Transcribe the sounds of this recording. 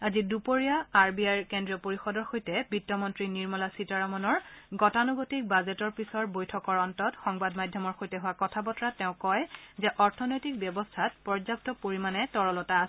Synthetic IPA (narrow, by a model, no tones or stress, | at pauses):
azidupoɹijaːɹbiajɹkendɹiɔpoɹixɔdɔɹxojtɛbitːɔmɔntɹiniɹmɔlasitaɹamɔnɔɹɡɔtanuɡotik̚bazɛtɔɹpisɔɹbojtʰɔkɔɹɔntɔtxɔŋbadmadʱjɔmɔɹxojtɛɦʊwakɔtʰabɔtɹatɛʊ̃kɔjzɛʔɔɹtʰɔnojtik̚bjɔbɔstʰatpɔɹzap̚tɔpoɹimanɛtɔɹɔlɔtaːsɛ